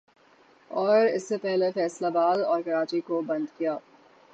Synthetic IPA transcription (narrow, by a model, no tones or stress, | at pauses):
ɔːɾɪsːepɛɦlefɛːslabaːlɔːɾkɐɾaːt͡ʃikobɐ̃nd̪kijaː